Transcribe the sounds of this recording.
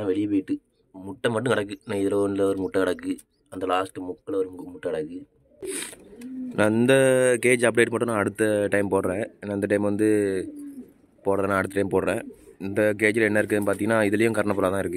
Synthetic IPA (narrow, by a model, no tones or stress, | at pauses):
ãʋɛɭɪjpoːjɪʈːɯ | mʊʈːɐmːɐʈːɯ̃kɐɽɐkːɯnãːɪðɪlɐoːnɪlɐʋɐɾɯmʊʈːɐkɐɽɐkːɯ | ɐnd̪ɐlaːsʈɯmʊkːɐlɐʋɐɾɯmʊʈːɐkɐɽɐkːɯ | nʔãɪnd̪ɐkeːd͡ʒɐp̚ɽeːʈ̚paːʈːɯ̃nːãːɐɽɯt̪ːɐʈɐɪmpoːɽɾẽːnaːɪnd̪ɐʈɐɪmʋɐnd̪ɯ | poːɽɾẽnãːɐɽɯt̪ːɯʈɐɪmpoːɽɾẽːɪnd̪ɐk̬eːd͡ʒɪlɛnːɐɪɾɯkːɯnpaːɾt̪iŋɡɐnːaːɪðɪlɐjʊ̃kɐɾɐɳɐpːɔːlaːt̪ãːɪɾɯkːɯ